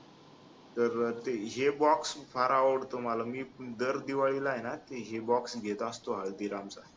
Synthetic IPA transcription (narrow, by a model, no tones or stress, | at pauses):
t̪əɾt̪eɦebɔksfaɾaʋəɽt̪omalamiːd̪əɾd̪iʋaɭilaɦjnat̪eɦebɔksɡʱet̪ast̪oɦaɭd̪iɾamt͡sa